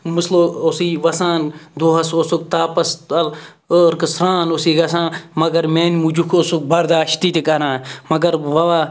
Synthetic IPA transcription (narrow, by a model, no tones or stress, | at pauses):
mɨsloːosiːʋɐsãːnd̪oːɦɐsosuk̚t̪aːpɐsɐl | oɾksɾaːnosiːɡɐsãːnmɐɡɐɾmeːnmud͡ʒukʰosuk̚bɐɾd̪aːʃt̪it̪ikɐɾãːmɐɡɐɾʋɐʋaː